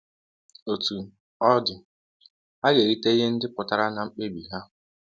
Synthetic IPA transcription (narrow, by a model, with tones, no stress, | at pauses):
o˨tu˨ | ɔ˦dɪ˨ | a˦ɡe˨ɾi˦te˦i˦ɦe˦n̩˦dɪ˦pʊ˨ta˦ɾa˦na˨ŋ͡m̩˦k͡pe˦bi˨ɦa˦ʊ˨